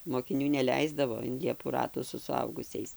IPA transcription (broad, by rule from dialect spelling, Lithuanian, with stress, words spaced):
moːkʲɪˈnʲuː nʲɛˈlʲɛɪzdɐʋoː ɪn ˈlʲiɛpuː ˈrɑːtuː sʊ sʊˈɐʊɡʊsʲɛɪs